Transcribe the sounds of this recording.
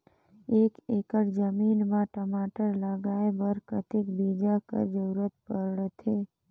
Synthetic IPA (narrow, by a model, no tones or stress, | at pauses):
eːkeːkəɽd͡ʒəmiːnmãʈəmaːʈəɾləɡaːebəɾkət̪ɪkbiːd͡ʒakə̰d͡ʒəɾuɾət̪̚pəɾɽət̪ʰe